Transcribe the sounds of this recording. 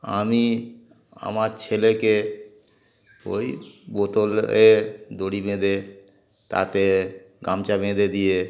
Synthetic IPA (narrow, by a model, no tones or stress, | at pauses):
ami | a̰maɾt͡ɕʰeleke | o̰jbot̪oled̪oɽibẽd̪e | t̪a̰t̪e | ɡamt͡ɕabẽd̪ed̪ije